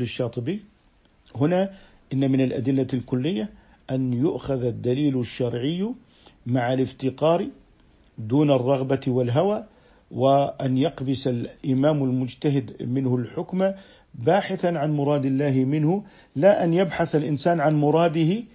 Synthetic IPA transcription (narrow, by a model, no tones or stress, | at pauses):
ɪʃːɑːt̪ˤɨbi | hʊna | ʔɪnːamɪnalʔa̰d̪ɪlːalkʊlːɪjːa | ʔanjʊʔxaðad̪ːaliːlʃːɑɾˤʕɪjː | maʕalɪft̪ɪqɑːɾi | d̪uːnɑrˤːɑɣbawɪlɦawaː | wɪʔanjɑqbɪsalʔɪmaːmɪlmʊd͡ʒt̪aɦɪd̪mɪnhʊlħʊkma | baːħɪθanʕanmʊɾˤɑːd̪ɪlːaːɦɪmɪnhʊ | laʔanjabħaθalʔɪnsaːnʕanmʊɾˤɑːd̪ɪhɪ